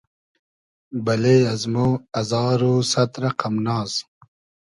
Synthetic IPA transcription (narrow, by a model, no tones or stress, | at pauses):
bɐleːɐzmuɐzɑːɾuːsɐt̪ɾɐqɐmnɑːz